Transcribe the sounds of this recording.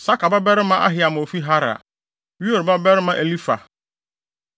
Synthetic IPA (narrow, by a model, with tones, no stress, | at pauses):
sa˦kʰa˨ba˦bɛ˦ɾɪ˦mã˦ʔa̰˦ɦɪ˨a˨m̃˨o˨fi˦ɦa˦ɾa̰˨ | ɥu˦o˨ɾba˦bɛ˦ɾɪ˦mã˦ʔe˨li˦fa̰˨